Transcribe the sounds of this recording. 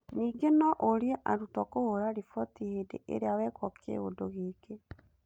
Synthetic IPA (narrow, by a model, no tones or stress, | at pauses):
niːɡenɔʔoɾiɛʔaɾutwɔkohoɾaɾifɔtihedḛʔḛɾeawɛkwɔkʰḛɣo̰doɣeːke